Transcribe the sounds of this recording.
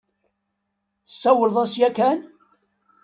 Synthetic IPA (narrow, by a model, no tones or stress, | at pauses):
sːæwəlðˤæsjækæn